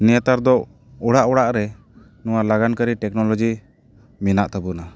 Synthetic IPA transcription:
nɛjat̪aɾd̪ɔ | ɔɽaʔɔɽaʔɾɛ | nuwalaɡankəɾiʈɛknɔlɔd͡ʒi | minaʔt̪əbuna

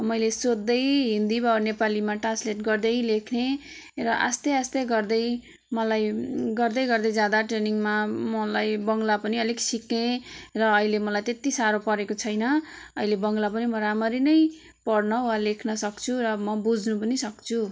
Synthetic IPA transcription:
mʌjlesod̪ːʌjɦind̪ibʌnepalimaʈrasleʈɡʌrd̪ʌjlekʰne | rʌʔa̰st̪ʌjast̪ʌjɡʌrd̪ʌj | mʌlajɡʌrd̪ʌjɡʌrd̪ʌjd͡zad̪aʈreniŋmamʌlajbʌŋɡlapʌniʌliksikẽrʌːilemʌlajt̪et̪isaɾopʌɾekot͡sʰʌjnʌʌ̰ilebʌŋlap̬ʌnimʌɾamʌɾinʌj | pʌɽnʌɦualekʰnʌsʌkt͡sʰuɾʌmʌbud͡znupʌnisʌkt͡sʰu

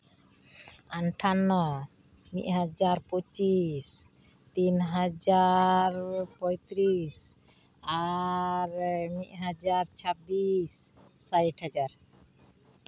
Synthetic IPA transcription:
anʈʰana | miʔɦad͡ʒaɾpɔt͡ʃis | t̪inɦad͡ʒaɾpɔjt̪ɾis | aɾmiʔ̪ɦad͡ʒaɾt͡ʃʰabisː | ajʈʰhad͡ʒaɾ

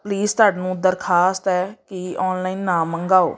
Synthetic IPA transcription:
pliːst̪aːɖnũːʊd̪əɾkʰaːst̪ɛːkɪɔːnlaːiːnːaːməŋɡaːo̰ː

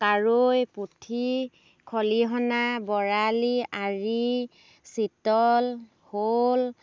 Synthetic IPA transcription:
kaɹojputʰi | kʰɔliɦɔnabɔɹaliaɹi | sitɔl | hol

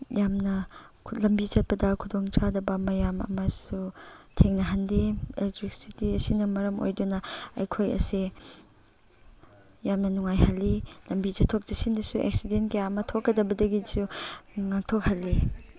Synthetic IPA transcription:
jamnɐ | lɐmbit͡ʃɐt̚pɐdɐkʰudoŋt͡ʃʰadɐbɐmɐjamɐ̰mɐsutʰeŋnɐɦɐndeeltɾik̚sitiɐsinɐmɐɾɐmo̰jdunɐɐ̰jkʰojɐ̰se | jamnɐnuŋajhɐlːilɐmbit͡ʃɐtʰːok̚d͡ʒisindɐsuʔḛksidentkejamɐtʰokːɐdɐbɐdɐɡisuŋak̚tʰok̚hɐlːi

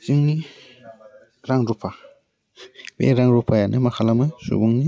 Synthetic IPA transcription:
z̥iŋni | ɾaŋɾupʰa | bḛɾaŋɾupʰajanʔɯmakʰalamɯsṵbuŋni

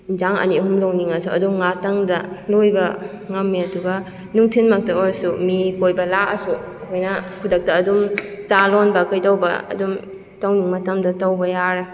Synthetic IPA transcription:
inzaŋɐ̰niɦumloŋniŋɐsuɐduŋatɐŋdɐlojbɐ | ŋɐmːiɐduɡɐ | nuŋtʰinmɐk̚tɐoɾsumikojbɐlaʔɐsuɐkʰojnɐkʰudɐk̚tɐːdumt͡ʃalɔnbɐkɐjtawbɐ̰ːdum | tɐwniŋmɐtɐmdɐtɐwbɐjaɾe

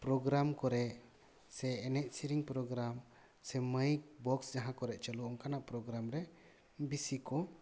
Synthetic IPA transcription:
pɾɔɡɾamkɔɾɛ | sɛːnɛc̚siɾiŋpɾɔɡɾam | sɛməjk̚bɔksd͡ʒaɦãkɔɾɛʔt͡ʃəluɔŋkanapɾɔɡɾamɾɛ | bisikɔ

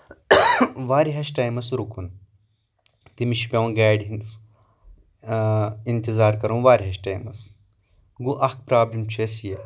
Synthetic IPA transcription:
ʋaːɾiɦɐʃʈaːjmɐsɾukʰun | t̪imiʃpʲɐw̃nɡaːɖɦins | int̪izaːɾkɐɾũːʋaːɾiɦɐʃʈaːjmɐ̰s | ɡuʔɐk̚pɾaːblimt͡ʃʰeːsje

